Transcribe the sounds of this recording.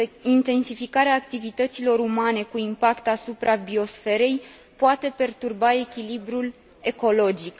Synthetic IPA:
int̪e̞nsifikaɾeaːk̚t̪ivit̪ət̪silo̞ɾumane̞kuimpakt̪asupɾʔabio̞sfe̞ɾe̞j | poat̪e̞pe̞rt̪urbae̞kʲilibɾul | e̞ko̞lo̞d͡ʒik

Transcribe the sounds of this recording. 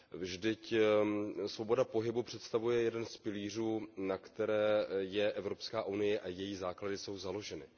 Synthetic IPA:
vʒdɪc | svo̞bo̞dapo̞ɦɪbupr̥ɛt̪st̪avujɛjɛdɛnspɪliːr̝uːnakt̪ɛɾɛːjɛʔɛvɾo̞pskaːʔunɪjɛʔajɛjiːzaːkladɪso̞wzalo̞ʒɛnɪ

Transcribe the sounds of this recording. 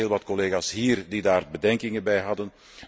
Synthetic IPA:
eːlˠʋɑtkɔleːɣaːsɦiːrdidaːrbədɛŋkɪŋənbɛjɦɑdən

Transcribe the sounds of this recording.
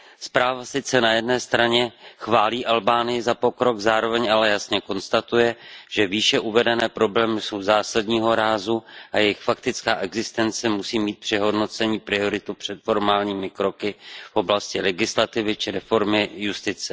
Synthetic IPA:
spɾaːvasɪt͡sɛnajɛdnɛːst̪ɾaɲɛxvaːliːʔalbaːnɪjɪzapo̞kɾo̞ɡzaːɾo̞vɛɲalɛjasɲɛko̞nst̪at̪ujɛʒ̥ɛviːʃɛʔuvɛdɛnɛːpɾo̞blɛːmɪso̞wzaːsadɲiːɦo̞ɾaːzuʔajɛjɪxfak̚t̪ɪt͡skaːʔɛɡzɪst̪ɛnt͡sɛmusiːmiːt̪̚pr̝̥ɪɦo̞dno̞t͡sɛɲiːpɾɪo̞ɾɪt̪upr̥ɛt̪fo̞ɾmaːlɲiːmɪkɾo̞kɪfʔo̞blascɪlɛɡɪslat̪ɪvɪt͡ʃɪɾɛfo̞ɾmɪjust̪ɪt͡sɛ

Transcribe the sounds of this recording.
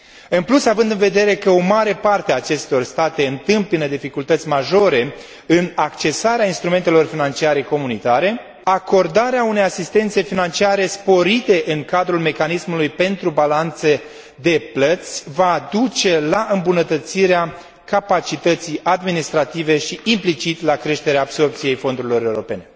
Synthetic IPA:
ɨnplusavɨnd̪ɨnve̞d̪e̞ɾe̞kəo̞maɾe̞part̪eaːt͡ʃe̞st̪o̞rst̪at̪e̞ɨnt̪ɨmpinəd̪ifikult̪ət̪sʲmaʒo̞ɾe̞ | ɨnakt͡ʃe̞saɾeainst̪ɾume̞nt̪elo̞rfinant͡ʃiaɾe̞ko̞munit̪aɾe̞ | ako̞rd̪aɾeaune̞jasist̪e̞nt̪se̞finant͡ʃiaɾe̞spo̞ɾit̪e̞ʔɨŋkad̪ɾulme̞kanismulujpe̞nt̪ɾubalant̪se̞ | d̪e̞plət̪sʲvad̪ut͡ʃe̞laʔɨmbunət̪ət̪siɾea | kapat͡ʃit̪ət̪sijad̪minist̪ɾat̪ive̞ʃiimplit͡ʃit̪lakɾe̞ʃt̪e̞ɾeaːbso̞rp̚t̪sije̞jfo̞nd̪uɾilo̞ɾe̞uɾo̞pe̞ne̞

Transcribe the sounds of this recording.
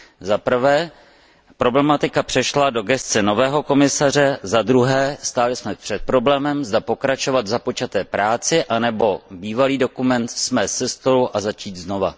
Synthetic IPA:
zapr̩vɛː | pɾo̞blɛmat̪ɪkapr̥ɛʃlado̞ɡɛst̪t͡sɛno̞vɛːɦo̞ko̞mɪsar̝ɛzad̪ɾuɦɛːst̪aːlɪsmɛpr̝̥ɛt̪̚pɾo̞blɛːmɛmzdapo̞kɾat͡ʃo̞vat̪zapo̞t͡ʃat̪ɛːpɾaːt͡sɪʔanɛbo̞biːvaliːdo̞kumɛnt̪smɛsɛst̪o̞luʔazat͡ʃiːt̪zno̞va̰

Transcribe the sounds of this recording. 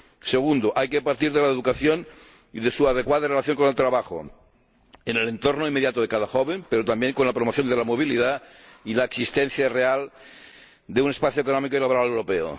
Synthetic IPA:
seɣ̞und̪oʔajkepaɾt̪iɾðelaeðukaθjon | iðesuaðekwaðarelaθjo̞ŋkonelt̪ɾaβaxo̰ | enele̞nt̪ornoimːeðjat̪oð̞e̞kaðaxoβempe̞ɾot̪ambjeŋkonlapɾomoθjo̞nd̪elamoβ̞ilið̞ailaeksist̪ẽn̟θjareal | d̪eunespaθjoekonomikoilaβoɾalewɾo̞peo̰

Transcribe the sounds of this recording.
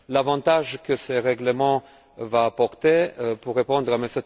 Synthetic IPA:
lavɑ̃t̪aʒkəsəʁɛɡləmɑ̃ | vaːpɔʁt̪epuʁːepɔ̃nd̪ʁamesɛt̪

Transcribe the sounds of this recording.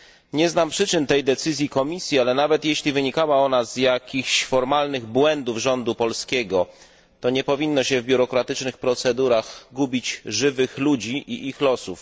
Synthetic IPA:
ɲɛznampʂɘt͡ʂɘnt̪ɛjd̪ɛt̪sɘzʲjikɔmʲisʲjialɛnavɛt̪jeɕlʲivɘɲikawaɔnazjakʲixɕfɔɾmalnɘɣbwɛnd̪uvʐɔnd̪upɔlskʲɛɡɔ | t̪ɔɲɛpɔvʲinːɔɕɛvbʲjuɾɔkɾat̪ɘt͡ʂnɘxpɾɔt̪sɛd̪uɾaɣɡubʲit͡ɕʐɘvɘxlud͡ʑiʔiʔixlɔsuf

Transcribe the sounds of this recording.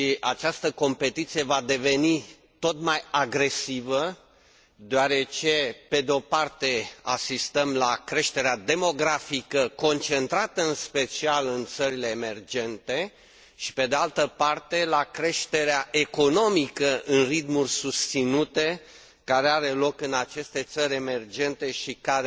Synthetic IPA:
iʔat͡ʃast̪əko̞mpe̞t̪it̪sijevad̪e̞ve̞ni | t̪o̞t̪majaɡɾe̞sivə | d̪oaɾe̞t͡ʃe̞pe̞d̪eo̞part̪e̞a̰sist̪əmlakɾe̞ʃt̪e̞ɾead̪e̞mo̞ɡɾafikəko̞nt͡ʃe̞nt̪ɾat̪əɨnspe̞t͡ʃialɨnt̪səɾile̞ːme̞rd͡ʒe̞nt̪e̞ | ʃi̥pe̞d̪ealt̪əpart̪e̞lakɾe̞ʃt̪e̞ɾeaʔe̞ko̞no̞mikəɨnrit̪murʲsust̪sinut̪e̞ | kaɾe̞aɾe̞lo̞kɨnat͡ʃe̞st̪e̞t̪səɾʲeme̞rd͡ʒe̞nt̪e̞ʃikaɾe

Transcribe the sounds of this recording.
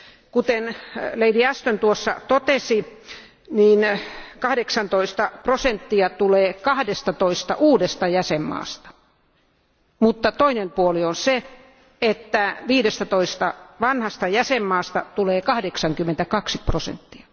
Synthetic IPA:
kut̪enleidiæst̪ønt̪uosːɑ̰t̪ot̪esi | niːnkɑhdeksɑnt̪oist̪ɑprosent̪ːiɑt̪uleːkɑhdest̪ɑt̪oist̪ɑ̰ʔuːdest̪ɑjæsemːɑ̰ːst̪ɑ̥ | mut̪ːɑt̪oinempuolionse | et̪ːæʋiːdest̪æt̪oist̪ɑʋɑnhɑst̪ɑjæsemːɑːst̪ɑ̰t̪uleːkɑhdeksɑŋkymːent̪ækɑksiprosḛnt̪ːiɑ̥

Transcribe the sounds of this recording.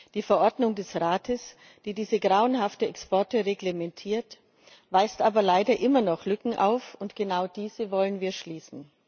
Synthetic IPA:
d̥iːfɛɐʔɔɐdnʊŋdɛsʁaːtʰəs | d̥iːdiːzəɡʁaʊənɦaftəɛkspɔɐtəʁeɡlemɛntʰiːɐt | vaɪstʔaːbɐlaɪdɐʔɪmɐnɔχlʏkŋ̩ʔa̰ʊfʊntɡ̥ənaʊd̥iːzəvɔlənviːɐʃliːsn̩

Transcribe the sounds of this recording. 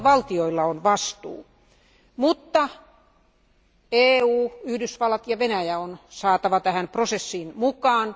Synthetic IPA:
ʋɑlt̪ioilːɑonʋɑst̪ṵː | mut̪ːɑ | eːuːyhdysʋɑlːɑt̪jɑʋenæjæonsɑːt̪ɑʋɑt̪æhæmprosesːiːnmukɑːn

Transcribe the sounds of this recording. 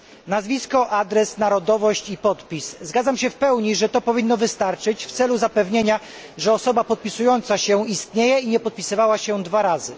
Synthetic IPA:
nazvʲiskɔʔad̪ɾɛsnaɾɔd̪ɔvɔɕt͡ɕipɔt̪pʲiszɡad̪zamɕɛfpɛwɲiʐɛt̪ɔpɔvʲinːɔvɘst̪aɾt͡ʂɘt͡ɕft̪sɛluzapɛvɲeɲa | ʐɛɔsɔbapɔt̪̚pʲisujɔnt̪saɕɛist̪ɲejɛiɲɛpɔt̪̚pʲisɘvawaɕɛd̪vaɾazɘ̰

